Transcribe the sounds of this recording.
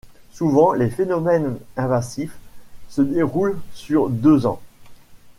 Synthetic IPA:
suvɑ̃lefenɔmɛnɛ̃vazifsəd̪eʁulsyʁd̪øzɑ̰̃

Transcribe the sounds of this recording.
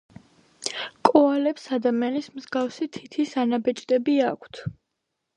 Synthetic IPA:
kʼɔalɛpsad̪amianismzɡafsit̪ʰit̪ʰisanabɛt͡ʃʼd̪ʼɛbiakʷʰt̪ʰ

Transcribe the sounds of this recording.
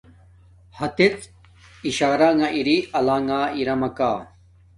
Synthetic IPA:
hɐt̪et͡s | iɕaːɾaŋaʔiɾiɐlaŋaːiɾɐmɐkaː

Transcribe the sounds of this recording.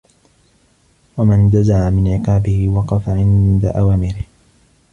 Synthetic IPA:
wamand̪azaʕamɪnʕɪqɑːbɪhɪwɑqɑfaʕɪnd̪a̰ʔawaːmɪɾɪh

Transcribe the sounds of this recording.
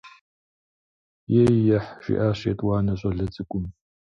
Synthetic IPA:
jejːɐħʃḭʔaːɕetʼwɑːnɐɕʼɐɮɐt͡sʼɨkʷʼʊm

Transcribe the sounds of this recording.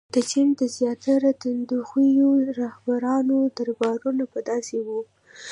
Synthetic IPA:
d̪̥ət͡ʃind̪əzjɑt̪ʰaɾat̪and̪uxijoɾahbaɾɑnod̪aɾbɑɾunapəd̪ɑsewu

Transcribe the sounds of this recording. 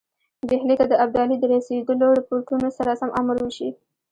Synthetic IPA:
behlet̪ad̪əab̚d̪ɑlid̪əɾased̪əloɽəpoɾʈunosaɾasamʔamaɾwəʃi

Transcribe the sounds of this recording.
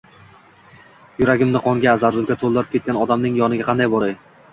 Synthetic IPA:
jʊɾaɡʲɪmnɪqʰɒŋɡʲaːzaɾd̪ʊɾɡʲat̪ʰolˠd̪ɪɾɪp̚kʲe̞t̪̚kʲanɒd̪amnɪŋjɒnɪɡʲaqʰɑnd̪ajbɒɾaɪ

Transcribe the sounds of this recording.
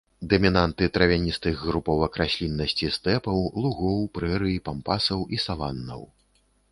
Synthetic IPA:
d̪ɐmʲinant̪ɨt̪ɾɐvʲanʲist̪ɨɣɣɾupɔwɐkɾasʲlʲinːɐsʲt͡sʲist̪ɛpɐwlˠuɣɔwpɾɛɾɨipampasɐwisalanːɐ̰w

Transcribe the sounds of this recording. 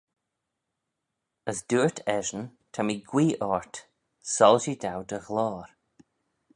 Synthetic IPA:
əsd̥uːɹtʰɛʒənt̪ʰamiɡwiːʔɔɹt | sɔlʃid̪awd̪əɣlɔːɾ

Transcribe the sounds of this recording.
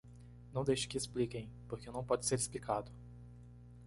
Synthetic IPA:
nɐ̃w̃d̪ejʃʊ̥kɪːsplikẽj̃poɾkɪnɐ̃w̃pɔd͡ʒɪseɾɪsplikʰad̪ʊ

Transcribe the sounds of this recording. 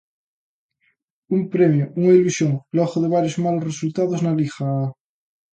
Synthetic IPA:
umpɾemjoʔuŋailusjoŋloxoðeβ̞aɾjozmalosresult̪aðoznalixaa

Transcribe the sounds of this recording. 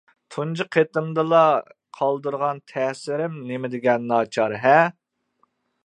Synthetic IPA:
t̪ʰund͡ʒɨqʰet̪ɨmd̪ɨlˠɑ | qʰɑlˠd̪ɨɾʁɑnt̪ʰɛsɪɾɪmnemɪd̪ɪɡʲɛnːɑːt͡ʃʰɑɾɦɛ

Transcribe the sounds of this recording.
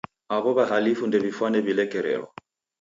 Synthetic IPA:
aβɔβaɦalifundɛβifwanɛβilɛkɛɾɛ̰lwa̰

